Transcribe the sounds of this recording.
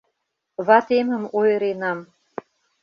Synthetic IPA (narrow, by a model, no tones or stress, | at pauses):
βɑt̪emə̆mojəɾenɑm